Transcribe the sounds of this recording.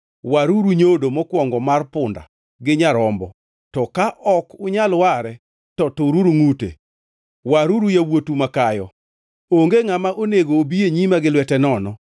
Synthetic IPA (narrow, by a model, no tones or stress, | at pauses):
waɾuɾuɲodomɔkwɔŋɡɔmarpʊnda̰ | ɡɪɲaɾɔmbɔ | tɔkaʔɔkʊɲalwaɾɛ | tɔtʊɾuɾuŋutḛ | waɾuɾujawotumakajɔ | oŋɡeŋamaʔoneɡoːbieɲimaɡɪlwɛtɛnɔnɔ